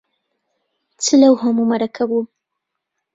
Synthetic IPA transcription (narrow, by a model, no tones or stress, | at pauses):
t͡səlawɦamumaɾakʰawu